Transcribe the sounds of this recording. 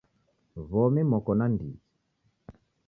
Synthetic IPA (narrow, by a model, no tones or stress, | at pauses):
vɔmimɔkɔnandḭi